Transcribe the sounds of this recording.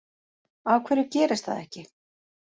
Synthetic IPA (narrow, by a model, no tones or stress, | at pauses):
awkʰvɛːɾɪcɛːɾɪst̪θa̰ðɛhcɪ